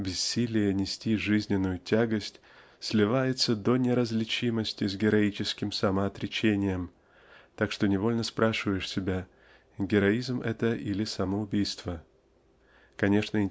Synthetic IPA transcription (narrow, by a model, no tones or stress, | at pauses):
bʲɪsːʲilʲɪjənʲɪsʲtʲiʐɨzʲnʲɪnːʊjʊtʲaɡəsʲtʲ | sʲlʲɪvajɪt̪səd̪o̞nʲɪɾəzʲlʲɪt͡ɕiməsʲtʲɪzɡʲɪɾɐit͡ɕɪskʲɪmsəməɐt̪ɾʲɪt͡ɕenʲɪjəm | t̪akʂt̪o̞nʲɪvo̞lʲnəspɾʔaʂɨvəjɪʂsʲɪbʲa | ɡʲɪɾɐizmɛ̰t̪əʔilʲɪsəməʊbʲijst̪və | kɐnʲe̞ʂnəɪ